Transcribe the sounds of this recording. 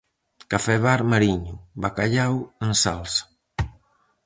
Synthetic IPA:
kafɛβaɾmaɾiɲʊβakaʎaweŋsalsḁ

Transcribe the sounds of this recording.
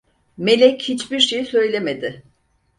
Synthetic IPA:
me̞lʲɛchit͡ʃbiɾʃejisø̞jlʲemed̪ɪ

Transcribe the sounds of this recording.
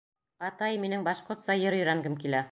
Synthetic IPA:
ɑt̪ɑjminɘŋbɑʃqoɾt̪sɑjɤɾɵ̆jɾæŋɡɘmkilæ

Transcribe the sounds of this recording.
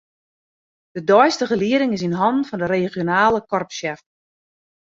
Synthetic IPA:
d̥ədɔjstəɣəliəɾɪŋɪs̬inɦɔndn̩fɔndəɾeːχjonaːləkɔrpʃjɛft

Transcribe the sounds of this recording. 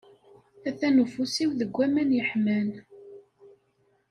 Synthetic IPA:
æθænufusiwðəɡʷːæmænjəħmæn

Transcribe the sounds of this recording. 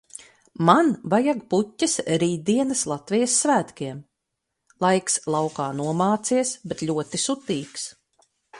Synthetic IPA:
manvajaɡputʲːɐsɾiːd̪̚d̪iɛnɐslˠat̪vʲijasːvæːt̪kʲiɛm | lˠajkslˠawkaːnuɔmaːt̪siɛsbet̪ʎʲuɔt̪isut̪iːks

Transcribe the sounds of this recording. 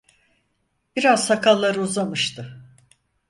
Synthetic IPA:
b̥iɾaz̥sakʰalˠːaɾɯuzamɯʃt̪ʰɯ

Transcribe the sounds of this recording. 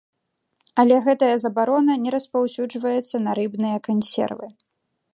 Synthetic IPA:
ɐlʲɛɣɛt̪ɐjɐzɐbaɾɔnɐnʲɛɾɐspawsʲud͡ʐvɐjɛt̪sːɐnɐɾɨbnɨjɐkanʲsʲɛ̰rvɨ

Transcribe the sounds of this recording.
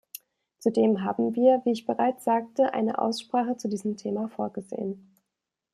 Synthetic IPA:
t͡sudeːmɦaːbm̩viːɐviːɪçb̥əʁaɪt͡sz̥aːk̚təʔa̰ɪnə̰ʔa̰ʊsʃpʁ̥aːχət͡sudiːzəmtʰeːmafoːɐɡəzḛːən

